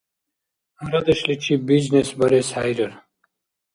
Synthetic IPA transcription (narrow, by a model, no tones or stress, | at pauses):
ɐɾɐd̪əɕlit͡ʃʰibiznesbɐɾeshajɾəɾ